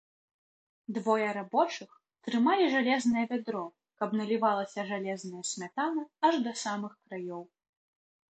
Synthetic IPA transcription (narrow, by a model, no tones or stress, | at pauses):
d̪vɔjɐɾabɔt͡ʂɨx | t̪ɾɨmalʲiʐalʲɛznɐjɛvʲad̪ɾɔ | kɐbnɐlʲivalˠɐsʲɐʐalʲɛznɐjɐsʲmʲat̪anɐɐʐd̪ɐsamɨxkɾajɔw